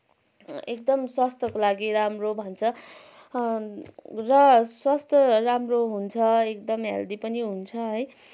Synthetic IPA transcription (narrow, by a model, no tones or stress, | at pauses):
ek̚d̪ʌmswast̪ʰʌkolaɡiɾamrobʱʌnt͡sʰʌ | rʌswast̪ʰʌramroɦunt͡sʰʌekd̪ʌmɦḛld̪ipʌniɦunt͡sʰʌɦʌj